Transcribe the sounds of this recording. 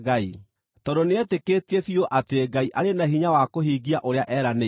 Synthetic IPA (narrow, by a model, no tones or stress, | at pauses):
ɣai | tɔdoneɛtekeːtefioʔateɡaiʔaɾenaɦiɲawakoɦiɡiaʔoɾeaʔɛɾane